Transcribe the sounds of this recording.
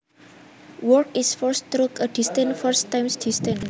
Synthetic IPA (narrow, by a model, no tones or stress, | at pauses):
wɔkisfɔɹst̪ɾukəd̥ist̪ə̃nfɔɹst̪ːãjmsd̥ist̪ə̃n